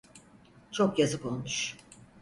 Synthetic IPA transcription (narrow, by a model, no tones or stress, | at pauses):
t͡ʃʰo̞kjazɯpo̞lˠmuʃ